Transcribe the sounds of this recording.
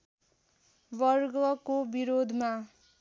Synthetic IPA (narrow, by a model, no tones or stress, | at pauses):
bʌrɡʌkobiɾod̪ʱma